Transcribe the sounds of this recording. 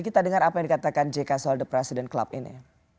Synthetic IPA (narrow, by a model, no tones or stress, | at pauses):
kit̪adəŋaɾapajaŋdikat̪akand͡ʒekasɔldəpɾɛsidɛnkla̰p̚ḭnḭ